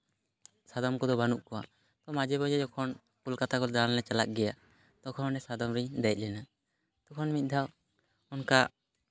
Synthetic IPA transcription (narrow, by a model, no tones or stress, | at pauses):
sad̪ɔmkɔd̪ɔbanuʔkɔwa̰ | t̪ɔmad͡ʒɛbɔd͡ʒɛd͡ʒɔkʰɔn | kulkat̪akɔld̪anlɛt͡ʃalak̚ɡɛja | t̪ɔkʰɔnɔnɛsad̪ɔmɾid̪ɛjc̪̚ˀlɛna | t̪ɔkʰɔnmit̪̚ˀd̪ʱaw | ɔnka